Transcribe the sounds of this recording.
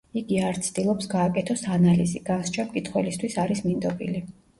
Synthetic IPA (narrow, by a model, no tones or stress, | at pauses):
iɡiaɾt̪sʰd̪ilˠɔpsɡaːkʼɛt̪ʰɔsanaliziɡ̥anst͡ʃʰamkʼit̪ʰχwɛlist̪ʰwisaɾismind̪ɔbʼḭli